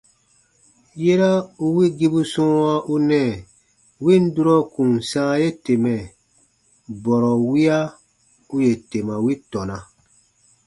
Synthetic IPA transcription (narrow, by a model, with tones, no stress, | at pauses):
je˦ɾa˦u˦wi˦ɡi˦bu˦sɔ̃ː˦wa˦ʔu˦nɛ̃˨ | wĩ˦˨n̩˦du˦ɾɔ˦kũ˨n˨sãː˦je˦te˨mɛ̃˨ | bɔ˨ɾɔ˨wi˦a˦ | u˦je˨te˨mã˨wi˦tɔ˨nã˨